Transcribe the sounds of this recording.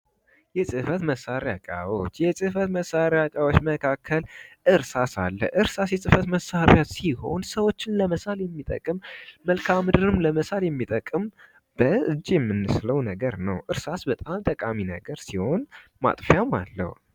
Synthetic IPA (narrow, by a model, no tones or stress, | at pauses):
jɛsʼɨfət̪məsːaɾjat͡ʃʼa̰wot͡ʃːjɛsʼɨfət̪məsːaɾɪakʼawot͡ʃːməkʰakʰːəlʔɨɾsasalːə̰ʔɨɾsasjɛsʼɨfət̪məsːaɾjat̪siho̞nsəwo̞t͡ʃːɪnləməsaljɛmːit̪ʼə̰kʼɨmːəlkʰamɨd̪ɨɾɨmləməsaljɛmːit̪ʼəkʼːɨm | b̥əɨd͡ʒːjɛmːɨnːɨsləwnəɡəɾnəwʔɨɾsasbət̪ʼamt̪ʼəkʼaminəɡəɾsiho̞nma̰t̪ʼfjama̰lːə̰hṵ